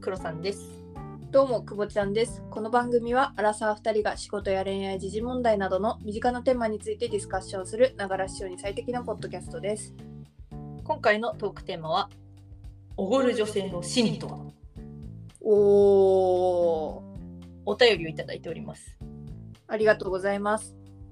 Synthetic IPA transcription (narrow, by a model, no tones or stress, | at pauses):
kɯ̟ɾo̞sãnd̪e̞sɨ̥ | d̪̥o̞ːmo̞kɯ̟bo̞t͡ɕi̥ãnd̪e̞sɨ̥ko̞no̞bãŋɡɯ̟mʲiβ̞aʔːɾasaːɸɯ̟̥t̪aɾʲiɡaɕiɡo̞t̪o̞jaɾẽ̞ɰ̃aid͡ʑiʑimõ̞nd̪ainad̪o̞no̞mʲiʑikanat̪e̞ːmaɲ̟it͡sɨit̪e̞dʲisɨ̥kaɕːõ̞ɰ̃sɨɾɯ̟naɡaɾaɕio̞ɲ̟isait̪e̞kʲinapo̞d̪ːo̞kʲasɨ̥t̪o̞d̪e̞sɨ̥ | kõ̞ŋkaino̞t̪o̞ːkɯ̟̥t̪e̞ːmaβ̞a | oɡoɾɯ̟ʑo̞se̞ːno̞ɕĩnt̪o̞ | oː | t̪ajo̞ɾʲio̞it̪ad̪a̰it̪e̞oɾʲḭmasɨ̥ | aɾʲiɡat̪o̞ːɡo̞zaimasɨ̥